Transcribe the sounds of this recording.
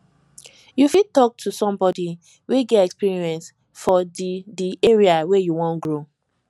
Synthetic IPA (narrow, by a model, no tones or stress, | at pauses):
jufitɔk̚tʰusɔ̃mbɔdi | wiɡɛtɛkspiɹiɛ̃ns | fɔddiʔeɹiawɛjuwɔ̃nɡɹo